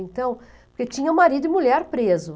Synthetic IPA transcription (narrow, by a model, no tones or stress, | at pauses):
ẽnt̪ɐ̃w̃ | poɾket͡ʃĩɲɐũmaɾid̪ʊɪmuʎɛɾpɾezʊ